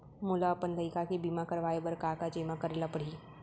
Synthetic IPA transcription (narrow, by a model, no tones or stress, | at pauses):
mulaəpənt̪əikakibimakəɾʋaːebəɾkaːkad͡ʒemakəɾeːlapəɽ̤i